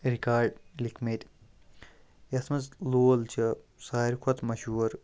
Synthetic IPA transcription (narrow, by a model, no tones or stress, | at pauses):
ɾikaːɾɖlikʰmet̪ | jɐsmɐzloːlt͡ʃʰɐsaːiɾkʰot̪mɐʃuːɾ